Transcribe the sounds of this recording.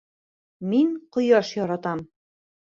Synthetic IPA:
miŋqŏjɑʃjɒɾɑt̪ɑm

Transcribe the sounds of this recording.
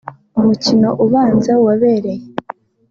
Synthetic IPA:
umucino̞ʔuβaːnzawaβe̞ːɾe̞je

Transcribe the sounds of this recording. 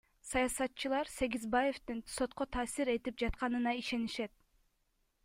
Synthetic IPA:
sɑjɑsɑt̪ːt͡ʃːɯlˠɑɾse̞ɡizbaje̞ft̪inso̞t̪̚qot̪ʰɑːsiɾe̞t̪ip̚d͡ʒɑt̪qɑnɯnɑiʃe̞niʃe̞t̪̚

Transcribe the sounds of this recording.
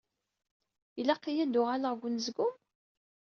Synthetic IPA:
ilæqːijæd̪ʊʁaləʁɡʷʊnzɡum

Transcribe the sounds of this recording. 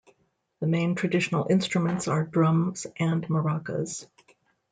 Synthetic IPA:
ðəmẽɪ̃ntʰɹ̥ɨdɪʃn̩l̩ˠʔɪ̃nstɹ̥ɨmə̃ntsə˞dɹʌ̃mz̥ʔɨ̃nmə˞ɑkə̰z̥

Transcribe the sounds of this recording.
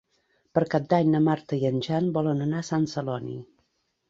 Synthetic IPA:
pəɾkap̚d̪aɲnəmaɾt̪əiənʲʒanbɔlənənasansəlɔnḭ

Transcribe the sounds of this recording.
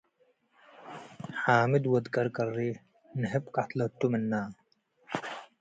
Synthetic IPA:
ħaːmid̪wɐd̪kɐɾkɐɾːi | nɦepkat̪lɐʈ̪uminːaː

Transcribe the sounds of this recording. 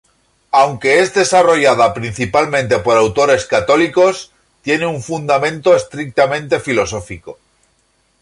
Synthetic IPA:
awŋke̞ezðe̞saro̞ʝað̞apɾin̟θipalmẽnt̪e̞po̞ɾawt̪o̞ɾe̞skat̪o̞liko̞s | t̪je̞neuɱfund̪amẽ̞nt̪oest̪ɾik̚t̪amẽ̞nt̪e̞filo̞so̞fiko̞

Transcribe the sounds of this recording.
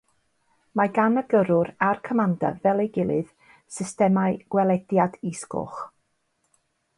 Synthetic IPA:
maɡanəɡəɾʊɾarkʰəmanda̰vɛlˠeɡɪlˠɨð̥ | sɪstɛmaɨɡ̥wɛlˠɛdjadɪskʊ̰χ

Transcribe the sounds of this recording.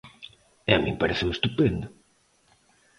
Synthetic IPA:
ɛamĩmpaɾeθɪmest̪upend̪ʊ

